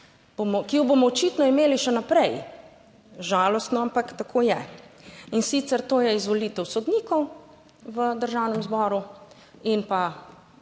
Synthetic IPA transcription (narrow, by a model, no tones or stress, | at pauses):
b̥omɔkijɔbomɔɔt͡ʃit̪nɔimeːliʃɛnapɾɛj | ʒaːlɔst̪nɔampakt̪akʰoːjɛ | insit̪sɛɾt̪oːjɛizʋɔlit̪ɛwsɔd̪niːkɔw | ʋəd̪əɾʒawnɛmzbɔɾu | inpa